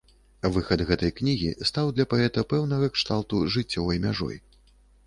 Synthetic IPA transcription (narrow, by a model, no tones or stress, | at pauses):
vɨxɐd̪ɣɛt̪ɐjknʲiɣʲḭst̪awd̪lʲɐpaɛt̪ɐpɛwnɐɣɐkʂt̪awˠt̪uʐɨt͡sʲːɔvɐjmʲaʐɔ̰j